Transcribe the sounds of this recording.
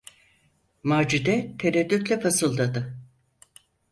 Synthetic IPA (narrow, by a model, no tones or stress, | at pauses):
maːd͡ʒid̪ɛt̪ʰeɾɛd̪ːyt̪lʲɛpʰasɯlˠd̪ad̪ɯ